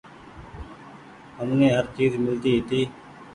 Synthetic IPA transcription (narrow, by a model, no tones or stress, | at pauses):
ɦəmnẽːɦəɾt͡ʃiːzmɪlt̪iːɦɪt̪iː